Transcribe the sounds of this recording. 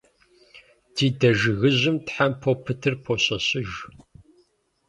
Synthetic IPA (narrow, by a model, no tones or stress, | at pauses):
dʰiːdɐʒɨɣɨʑʷɪmtħampʰopʰɨtʰɨrpʰoɕɐɕɪʒ